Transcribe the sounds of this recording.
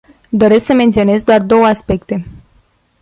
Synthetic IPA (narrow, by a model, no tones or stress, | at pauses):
d̪o̞ɾe̞sksəme̞nt̪sio̞ne̞zd̪oard̪o̞wəaspe̞kt̪e̞